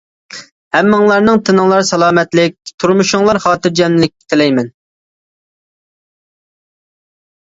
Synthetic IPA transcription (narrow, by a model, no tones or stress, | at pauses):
hɛmːɨŋlˠɑɾnɨŋt̪ʰɨnɨŋlˠɑɾsɛlˠɑːmɛt̪lɪk̚ʲt̪ʰuɾmuʃʊŋlˠɑɾχɑːt̪ɨɾd͡ʒɛmɪlɪk̚ʲːɪ̥t̪ʰɪlɛjmɛn